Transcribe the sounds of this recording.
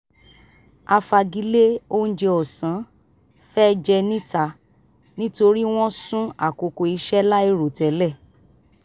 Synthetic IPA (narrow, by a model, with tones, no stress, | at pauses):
a˧fa˧ɡi˨˧˦le˦o˦n̩˦d͡ʒe˧ɔ˨sã˨˦ | fɛ˦˧d͡ʒɛ˧nĩ˦ta˧ | nĩ˦to˧ɾi˦w̃ɔ̃˦sũ˦a˨ko˨ko˧i˧ʃɛ˦la˦i˧ɾo˨tɛ˨˦lɛ˦˨